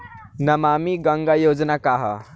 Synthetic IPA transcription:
nɐmamiɡəŋɡajod͡ʒnakaɦə̰

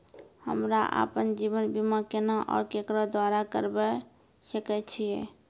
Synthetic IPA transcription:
hə̰mɾaʔa̰pənd͡ʒiʋənbimakenaʔɔ̰ːɾkekɾɔd̪waɾakə̰ɾbɛ | səkɛt͡ʃʰijɛ

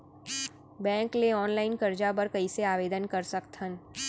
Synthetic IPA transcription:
bɛ̃ːkleɔːnlaːɪnkɐɾd͡ʒabəɾkɐiseaːʋeːd̪ənkɐɾsəkt̪ɦən

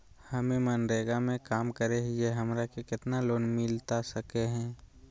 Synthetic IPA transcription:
hɐmẽmənɾeːɡamẽkaːmkəɾeɦɪeɦɐmɾakekɪt̪naloːnmɪlt̪asəkeɦɛ̃ː

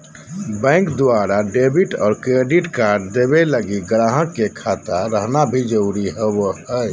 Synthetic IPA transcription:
bɛ̃ːŋkd̪ʊaːɾaɖebiʈɔ̰ːɾkɾeɖiʈkaːɾɖd̪ebeləɡiɡɾaːɦə̃kːekʰat̪aɾəɦnabʱid͡ʒəuɾiɦɛwəɦɛ

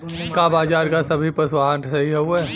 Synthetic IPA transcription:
kabaːd͡ʒaːɾkasɐbʱipɐswaːnsɐɦiɦɛuɛː

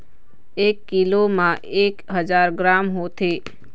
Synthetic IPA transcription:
ekːilomãʔekɦəd͡ʒaɾɡɾamɦot̪ʰe

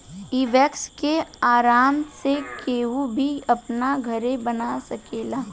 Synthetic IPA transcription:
iʋɛkskeaːɾaːmsekeːɦubʱiɐpnaɡʱɐɾẽbənasɐkeːlaː

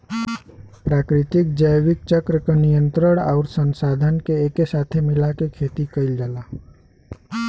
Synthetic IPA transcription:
pɾakɾit̪ik̚d͡ʒəjʋik̚t͡ʃəkɾəkenijənt̪ɾəɳaʊɾsənsad̪ʱənkeekesat̪ʰemilakekʰet̪ikəɪld͡ʒaːla

